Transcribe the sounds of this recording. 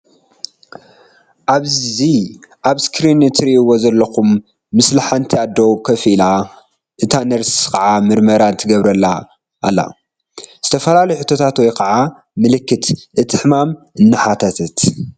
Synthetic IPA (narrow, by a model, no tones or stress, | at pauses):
ʔaβziʔaβskɾinɨt̪ʰɾiiwozɐlːɐxumː | ɨslaħant̪ʰiad̪ːowkʰɐfila | ʔɨt̪ʰanɐɾskʰɐʕamɨɾmɐɾant̪ʰɨɡɐβɾɐlːa | ʔːlːa̰ | z̥ɨt̪ʰɐfɐlalɐjuħɨt̪ʰːo̞t̪ʰat̪wɔjkʰɐʕa | mɨlɨkːɨt̪ʔɨt̪ʰɨħmamʔɨnːɨħat̪ʰɐt̪ʰɨt̪